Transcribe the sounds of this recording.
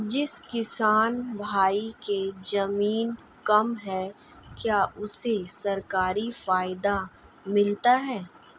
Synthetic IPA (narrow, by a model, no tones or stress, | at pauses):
d͡ʒɪskɪsaːnbʱaːiked͡ʒɐmiːn | kɐmɦɛː | kjaːʔʊsesɐɾkaːɾifaːɪd̪a | mɪlt̪aɦɛː